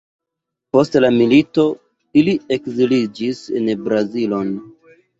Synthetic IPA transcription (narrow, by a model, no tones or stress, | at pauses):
po̞stlamilito̞ | ilie̞kzilid͡ʒisenbɾazilo̞n